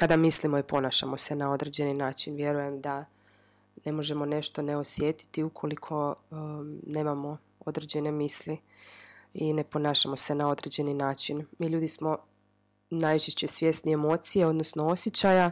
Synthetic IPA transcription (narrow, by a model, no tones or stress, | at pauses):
kad̪amislimoipo̞naːʃa̰mo̞se̞nao̞d̪ɾed͡ʑe̞ninaːt͡ʃinʋje̞ɾuje̞md̪a | ne̞mo̞ʒe̞mo̞ne̞ʃt̪o̞ne̞o̞sje̞ːt̪i̥t̪iukʰo̞likʰo̞ | ne̞ːmamo̞ | o̞d̪ɾed͡ʑe̞ne̞miːsli | ine̞po̞naːʃamo̞se̞nao̞d̪ɾe̞d͡ʑe̞ninaːt͡ʃinmiːʎuːd̪ismo̞ | naːjt͡ʃeʃt͡ɕe̞sʋje̞sniemoːt̪sijeo̞d̪nosno̞o̞sjet͡ɕaja